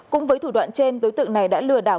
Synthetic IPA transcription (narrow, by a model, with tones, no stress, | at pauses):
kʊ̰˧˥ŋ͡mvəː˨˦jt̪ʰu˧˩ɗwa̰ː˧˨nt͡ɕe˧nɗo˨˦jt̪ɨ̰˧˨ŋna˨˩jɗa̰ː˧˥lɨ˧əɗaː˧˩w